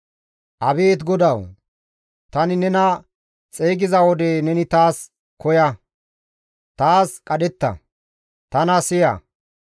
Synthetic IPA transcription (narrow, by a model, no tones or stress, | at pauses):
ʔɐbeːt̪ɡɔd̪ɐw | t̪ɐnɪnɛnɐ | t͡sʼeːɡɪzɐwɔd̪e̞ːnɛnɪt̪aːs | kɔjɐ | t̪aːskʼɐd̪ɛt̪ːɐ̰ | t̪ɐnɐsɪjɐ̰